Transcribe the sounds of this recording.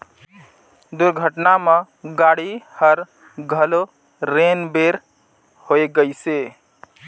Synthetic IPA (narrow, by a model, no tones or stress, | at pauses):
d̪ʊɾɡʱəʈnamẽ | ɡaːɽihəɾ | ɡʱəlo | ɾeːnbeːɾ | hoːeɡəiseː